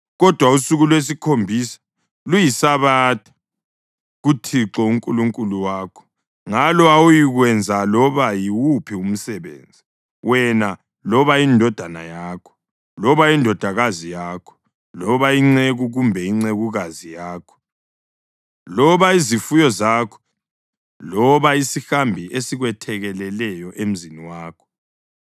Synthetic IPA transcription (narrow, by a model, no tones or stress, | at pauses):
ɣɔd̥ʱwausuɣulwes̬ikʰombʱisḁ | lujisaβaːtʰḁ | ɣutʰiǁɔuŋkʼuluŋkʼuluwaːkʰɔ̥ | ŋalɔawujiɣwɛnd͡zʱalɔβajiwupʰium̩sɛβḛːnd͡zʱi | wɛna | lɔβaindʱɔd̥ʱana̰jaːkʰɔ̥ | lɔβaindʱɔd̥ʱaɣazijaːkʰɔ̥ | lɔβaiŋ͡ǀeɣuɣumbʱɛiŋ͡ǀeɣuɣazijaːkʰɔ̥ | lɔβaizifujɔzaːkʰɔ̥ | lɔβaisixambʱiesiɣwɛtʰɛɣɛlɛlɛjɔʔem̩ziniwaːkʰɔ̥